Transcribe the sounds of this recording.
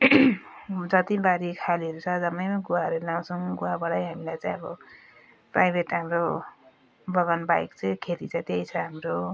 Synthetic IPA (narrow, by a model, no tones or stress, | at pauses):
d͡zʌt̪ibaɾikʰaliʌɾut͡sʰʌd͡zʌmʌjmaɡuwaʌɾelaw̃t͡sʰʌw̃ɡuɦabʌɽʌjɦamilajt͡sãj̃ʌbʌ | prajbʱeʈɦamɾo | bʌɡʌnbajkt͡sãj̃kʰet̪it͡sʰãt̪ejt͡sʰʌɦamɾo